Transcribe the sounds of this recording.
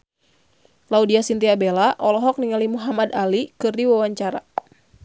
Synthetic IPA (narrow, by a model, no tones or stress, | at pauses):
laudiasint̪iabelaʔɔlɔɦɔk̚niŋalimuɦamadalikɨrdiwawaɲt͡ʃaɾa̰